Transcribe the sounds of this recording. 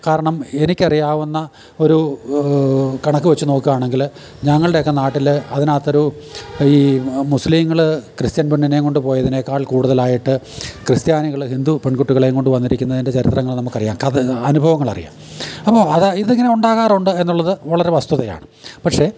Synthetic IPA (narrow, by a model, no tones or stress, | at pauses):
kaːɾɐɳɐme̞nikʲːɐrijaːʋunːɐ | o̞ɾu | kɐɳɐkːɨʋet͡ɕːuno̞ːkːuɣaːɳe̞ŋɡil | ɲɐŋːɐɭɨɽe̞jokːenaːʈːilɐðinaːt̪ːɐɾuiːmusliːmŋːɐɭkrɨst̪jɐnbeɳːineko̞ɳɖɨpo̞ːjɐðinekːaːɭkuːɽuðɐlaːjiʈːɨ | krɨst̪jaːniɣɐɭhind̪upe̞ɳkuʈːiuɣɐɭejŋko̞ɳɖɨʋɐnːiɾikʲːunːɐðinde̞t͡ɕɐɾit̪rɐŋːɐɭnɐmːukːɐrijaːmkɐɐnubʱɐʋɐŋːɐɭɐ̰rija̰ːmɐpːo̞ːɐðiðeŋːɐne̞uɳɖaːɣaːruɳɖɨe̞nːuɭːɐðɨʋɐɭɐɾe̞ʋɐst̪uðɐja̰ːɳɨ | pɐʈʂe̞